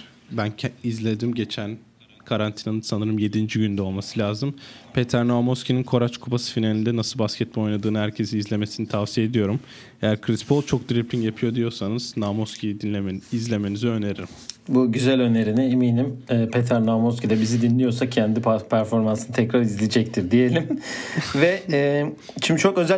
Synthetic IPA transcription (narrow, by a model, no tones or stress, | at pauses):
bænʰizlʲe̞d̪imɟe̞t͡ʃʰæn | kʰaɾant̪ʰinanɯnsanɯɾɯmje̞d̪ind͡ʒiɟynd̪ɛo̞lˠmasɯlʲaːzɯmpʰe̞t̪ʰæɾnoamoscininkʰo̞ɾat͡ʃkʰubasɯ̥finalʲind̪ɛnasɯlˠbascʰɛt̪̚mɛojnˠad̪ɯːnɯhæɾcʰe̞sinizlʲe̞me̞sinit̪ʰavsijed̪ijo̞ɾum | e̞jæɾkʰɾispʰolˠt͡ʃʰo̞k̚d̪ɾiplʲinjapʰɯjo̞d̪ijo̞ɾsanɯz̥namo̞scʰʲijid̪inlʲeizlʲe̞me̞niziø̞neɾiɾimbuɟyzælʲø̞ne̞ɾiniemiːnimɛːpʰet̪ʰæɾnoamoscʲid̪ɛbizid̪inlʲijo̞ɾsacʰænd̪ipʰæɾfo̞ɾmansɯnɯt̪ʰɛcɾaɾizlʲid͡ʒɛc̚t̪ʰiɾd̪ije̞lʲimvɛ | t͡ʃʰimt͡ʃʰo̞kø̞zæ